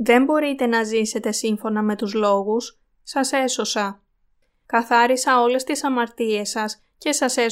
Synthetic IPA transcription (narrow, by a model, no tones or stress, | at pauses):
ðe̞mbo̞ɾit̪e̞nɐzise̞t̪e̞siɱfo̞nɐme̞t̪uzlo̞ɣusː | ɐse̞so̞sɐ | kɐθɐɾisɐo̞le̞st̪isɐmɐɾt̪ie̞sɐs | ce̞sɐse̞